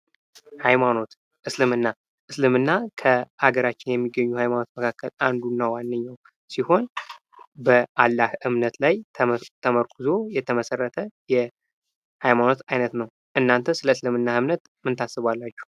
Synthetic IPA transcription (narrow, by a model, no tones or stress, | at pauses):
hajmano̞t̪ | ʔɨslɨmɨnːa | ʔɨslɨmɨnːakʰəʔaɡəɾat͡ʃːɪnjɛmːiɡːəɲːuhajmano̞t̪məkʰakːəland̪unːawanːɨɲːaw | siho̞n | bəʔalːahɨmnət̪lajt̪ʰəməɾkʰɨzo̞jɛt̪ʰəməsərːət̪ʰəjɛ | hajmano̞t̪ajnət̪nəw | ʔɨnːant̪ʰəsɨləɨslɨmɨnːahɨmnət̪ | mɨnt̪ʰasːɨβalːat͡ʃːɛ̥